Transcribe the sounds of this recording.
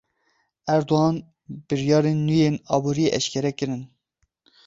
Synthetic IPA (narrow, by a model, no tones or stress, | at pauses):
æɾd̪oɦɑːn | b̥ɨɾjɑːɾeːnːujeːnɑːbuːɾijeʔɛʃkʰɛɾɛkɨɾɨn